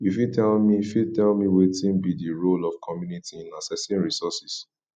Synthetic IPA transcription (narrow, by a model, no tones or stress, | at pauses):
jifitɛlmifitɛlmiwetĩnbidiɹolɔfkʰɔmjunitiĩnasɛsĩnɹisɔsis